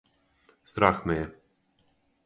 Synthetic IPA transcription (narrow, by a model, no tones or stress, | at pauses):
st̪ɾaxmɛjɛ